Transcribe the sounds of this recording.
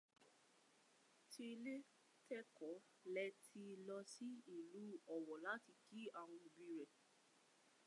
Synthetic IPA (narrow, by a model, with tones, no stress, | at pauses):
ti˧le˦ | tɛ˦kɔ˨˦ | lɛ˦tʰi˧lɔ˧si˦i˦˨lu˨˦ɔ˨wɔ˨la˦ti˧ki˦a˦˨w̃ɔ̃˧o˧bĩ˧ɾɛ˨